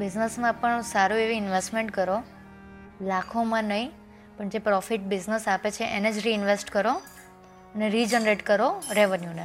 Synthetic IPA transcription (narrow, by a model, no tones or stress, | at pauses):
bɪd͡ʒnəsmãpəɳsaɾueʋiɪnʋesʈmẽɳʈkəɾo | lakʰomãnəɦĩ | pəɳd͡ʒepɾɔfiʈ̚bɪznəsapet͡ʃʰeʔened͡ʒɾiɪnʋesʈkəɾo | əneɾid͡ʒənɾeʈkəɾoɾeʋənjune